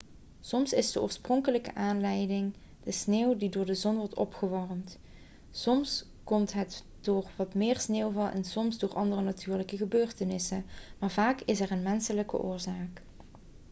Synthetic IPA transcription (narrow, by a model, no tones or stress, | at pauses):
sɔmsɪzdəʔo̰ːɹsprɔŋkələkəʔaːnlɛjdɪŋ | d̥əsneːwdidʊːɹdəzɔnʋɔɹtɔ̰pχəʋɔrmt | sɔms | kɔmtɦət | d̥ʊːɹʋɑtmɪːɹsneːwvɑlˠʔɛ̰nsɔmzdʊːɹʔɑndərənatʰyːɹləkəɣəbøːɹtənɪsəmaːɹvaːkɪsɛɹənmɛnsələkə̰ʔʊːɹzaːk